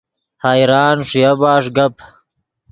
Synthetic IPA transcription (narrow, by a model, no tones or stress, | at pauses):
haːjɾaːnʂijabaːʂɡɐpʰ